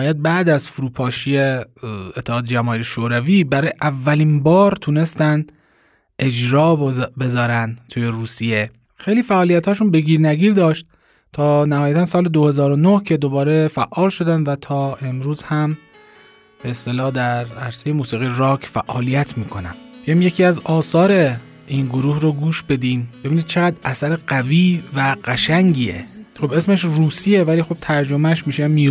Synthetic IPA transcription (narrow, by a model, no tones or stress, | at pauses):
ɔːjæt̪̚bæʔd̪æzfuɾuːpʰɒːʃijeet̪ʰːehɒːd̪ed͡ʒæmɒːiːɾeʃoːɾæviːbæɾɒːjeʔævːæliːnbɒːɾt̪ʰune̞st̪ænd̪ | ʔe̞d͡ʒɾɒːbbe̞zɒːɾænd̪t̪ʰuːje̞ɾuːsije̞ | xejliːfæʔɒːlijæt̪hɒːʃuːnbe̞ɡiːɾnæɡiːɾd̪ɒːʃt̪̚ | t̪ʰɒːnæhɒːjæt̪ʰænsɒːled̪ohe̞zɒːɾonohcʰe̞d̪o̞bɒːɾe̞fæʔːɒːlʃo̞d̪ænd̪væt̪ʰɒːe̞mɾuːz̥hæm | b̥e̞est̪e̞lɒːhd̪æɾæɾsejemuːsiːɣijɾɒːkʰfæʔːɒːlijæt̪ʰmiːkʰo̞næ̰mæmjecʰiːæzɒːsɒːɾe̞ | iːnɡoɾuːhroɡuːʃbe̞d̪iːmbebiːniːd̪̚t͡ʃʰeɣæd̪ʔæsæɾeɢæviːvæɢæʃæŋɟiːḛxo̞be̞smeʃruːsiːevæliːxob̥̚t̪ʰæɾd͡ʒo̞mæʃmiːʃemiː